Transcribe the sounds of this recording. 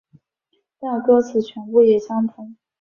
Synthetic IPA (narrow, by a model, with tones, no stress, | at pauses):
t̪ɑ˥˩kɤ˥t͡sʰɹ̩˨˩t͡ɕʰɥɛ˧˥npu˥˩jɛ˨˩ɕjɑ˥ŋt̪ʰu˧˥˦ŋ